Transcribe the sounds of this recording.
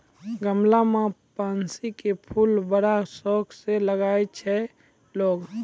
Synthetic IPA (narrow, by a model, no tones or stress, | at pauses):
ɡəmlamãpaːnsikepʰulbəɽasɔːkseləɡaːjt͡ʃʰɛ | loːɡ